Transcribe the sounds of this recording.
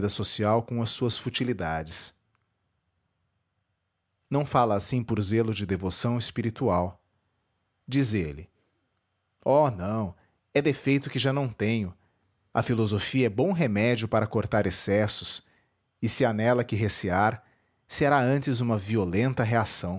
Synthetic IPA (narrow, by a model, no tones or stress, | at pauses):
d̪ɐsosiawkõɐsːuɐsfut͡ʃilid̪ad͡ʒɪs | nɐ̃w̃falɐːsĩpʊɾzelʊd͡ʒɪd̪evosɐ̃w̃ɪspiɾit̪uaw | d͡ʒizelɪ | ɔnɐ̃w̃ | ɛd̪efejt̪ʊkɪʒanɐ̃w̃t̪ẽɲʊ | ɐ̰filozofiɐɛbõw̃ɦemɛd͡ʒiʊpaɾɐkoɾt̪aɾesɛsʊs | ɪsɪanɛlɐkɪɦesiaɾ | seɾaɐ̃nt͡ʃɪzũmɐviolẽnt̪ɐɦeasɐ̃w̃